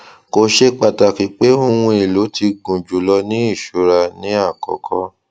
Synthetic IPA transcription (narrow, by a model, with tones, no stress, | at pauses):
ko˧ʃe˦k͡pa˨ta˨ki˨˦k͡pe˦o˦˨w̃ũ˧e˨lo˨˦ti˧ɡũ˨d͡ʒu˨lɔ˧nĩ˦i˦˨ʃo˨˦ɾa˧nĩ˦a˦˨kɔ̰˨˦kʰɔ˦